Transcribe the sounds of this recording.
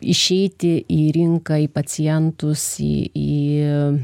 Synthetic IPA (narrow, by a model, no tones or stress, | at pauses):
ɪʃʲɛɪt̪ʲɪʔiːɾʲɪŋkɐipɐt͡s̪ʲɪjɛnt̪ʊsḭːiː